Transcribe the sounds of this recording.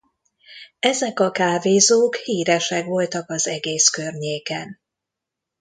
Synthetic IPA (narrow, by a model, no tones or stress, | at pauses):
ɛzɛkɒkaːveːzoːkhiːɾɛʃɛkʋo̞lt̪ɒkɒzɛɡeːskørɲeːkɛn